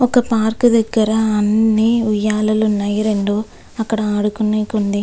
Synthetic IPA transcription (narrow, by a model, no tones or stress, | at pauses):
ɔkːɐpaːɾkɯðɛkːɐɾɐːnːiʊjaːlɐlɯnɐjɐɾeɳɖu | ɐkːɐɽɐaːɽɯkːɯnːekːɔɳd̪i